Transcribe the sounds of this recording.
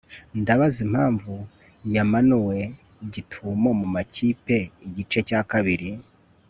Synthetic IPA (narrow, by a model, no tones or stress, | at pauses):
ndaβazim̥haːɱvu | jamanuwe̞ | ɟitʰumo̞mumaciːpe̞iɟit͡ʃe̞cakaβiɾi